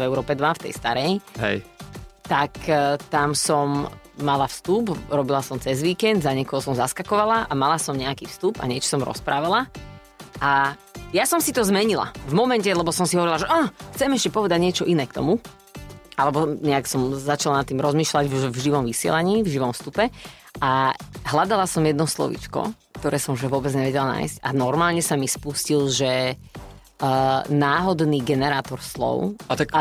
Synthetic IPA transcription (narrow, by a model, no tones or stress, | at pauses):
vɛʊɾɔːpɛd̪ʋaft̪ɛ̰jst̪aɾɛjɦɛ̰jt̪akt̪amsɔm | malafst̪upɾɔbilasɔmt͡sɛzʋiːkɛnd̪zaɲɛkɔɦɔsɔmzaskakɔʋalaʔamalasɔmɲɛakiːfst̪upa̰ɲɪɛt͡ʃɔ̥sɔmɾɔ̰spɾʔaːʋala | ʔa | jasɔmsit̪ɔzmɛɲila̰vmɔmɛncɛlɛbɔsɔmsiɦɔʋɔɾilaʒɛʔaxt͡sɛmɛʃcɛpɔʋɛd̪aɟɲɪɛt͡ʃɔʔinɛːkt̪ɔ̰mu | ʔalɛbɔɲɛaksɔmzat͡ʃalanat̪ːiːmɾɔzmiːʃlaɟuʒvʒiʋɔmʋisɪɛ̰laɲiːvʒiʋɔmfst̪upɛ | ʔaɦlad̪alasɔmjɛd̪nɔslɔ̰ʋḭt͡ʃkɔ̰kt̪ɔɾɛːsɔmʒɛʋʊɔbɛd͡zɲɛʋɛɟɛlana̰ːjscanɔɾmaːlɲɛsamispuscilʒɛ | naːɦɔd̪niːɡɛnɛɾaːt̪ɔɾslɔ̰ʊat̪aka